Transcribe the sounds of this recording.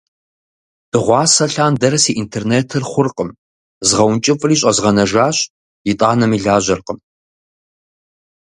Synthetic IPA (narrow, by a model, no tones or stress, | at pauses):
d̥ɨʁʷɑːsɐɬaːndɐɾɐsiːʔintʰeːrneːtʰɨrχʷʊrqʼəm | zʁɐwnt͡ʃʼɪfʼɨriːɕ̬ʼɐzʁɐnɐʒaːɕʼ | jɪtʼaːnɐmiːɮaːʑɐrqəm